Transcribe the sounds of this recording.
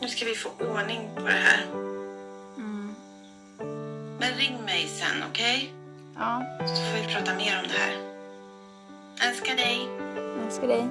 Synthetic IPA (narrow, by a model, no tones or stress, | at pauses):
nʉ̟ːskavɪfoːʔoːɳɪŋpʰɔd̪ɛ̰ɦæ̰ːɾ | mɛnɾɪŋːmɛjsɛ̰nːɔ̰kʰɛj | ɑːsɔfoːvɪpʰɾɑːt̪ameːɾɔmd̪ɛhæ̰ːɾ | ɛlskaɖɛjɛlskaɖɛj